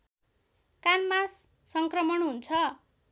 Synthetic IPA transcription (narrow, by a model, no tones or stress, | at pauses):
kanmasː | ʌŋkrʌmʌnɦunt͡sʰʌ